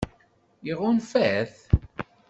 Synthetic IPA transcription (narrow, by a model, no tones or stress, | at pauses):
jiʁʊnfæθ